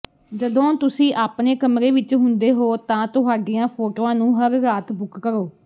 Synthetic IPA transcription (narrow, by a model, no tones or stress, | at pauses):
d͡ʒəd̪õːt̪ʊsĩːʔaːpneːkəmɾeːʋɪt͡ʃɦʊnd̪eːɦoːt̪ãːt̪ʊɦaːɖiːãːpʰoːʈoːãːnũːɦəɾːaːt̪bʊkːəɾoː